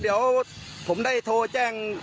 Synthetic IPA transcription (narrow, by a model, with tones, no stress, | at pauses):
ɗiː˨˦əwpʰo˨˩˦mɗaː˥˩jt̪ʰoː˧t͡ɕaː˧˩ŋ